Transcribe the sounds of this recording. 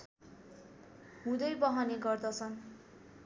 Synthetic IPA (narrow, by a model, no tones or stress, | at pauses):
ɦũd̪ʌjbʌɦʌneɡʌrd̪ʌt͡sʰʌn